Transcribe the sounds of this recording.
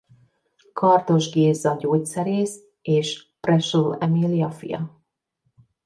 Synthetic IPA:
kʰɒrt̪o̞ʒɡeːzːɒɟoːcsɛɾeːs | eːʃprɛʃulɛmilijɒfḭjɒ̰

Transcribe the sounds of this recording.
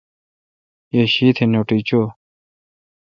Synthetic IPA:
jeɕiːt̪ʰenoʈit͡ɕo

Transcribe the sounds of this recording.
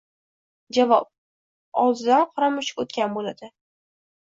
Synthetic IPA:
d͡ʒavɒp̚ | ɒwˠzɪd̪anqʰɒɾamʊʃɪkot̪kʲanbolad̪ɪ

